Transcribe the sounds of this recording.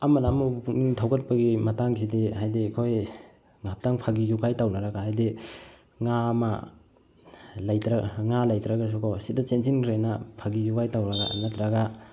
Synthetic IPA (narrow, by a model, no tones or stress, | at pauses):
ɐmɐnamuniŋtʰawɡɐt̚pɐɡimɐtaŋs̬idiɦajdikʰoj | ŋap̚taŋpʰaɡizuɡajtawnaɾaɡahajdi | ŋama̰ | lajtɾaŋalajtɾaɡas̬ukʰɔsidɐt͡ʃensinkʰɾenɐpʰaɡizukajtawɾɐɡaa̰natɾaɡa